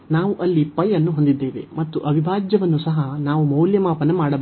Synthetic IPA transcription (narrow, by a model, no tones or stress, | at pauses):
naːʋuʔɐlːipɐjɐnːuɦo̞nd̪id̪ːe̞ːʋe̞̰mɐt̪ːuʔɐbʱibʱaːd͡ʒjɐʋɐnːusɐɦɐnaːʋumɐwljɐmaːpɐnɐmaːɽɐb